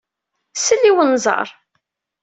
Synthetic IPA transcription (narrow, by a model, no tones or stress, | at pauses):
səlːiwənzˤɑ̰ɾˤ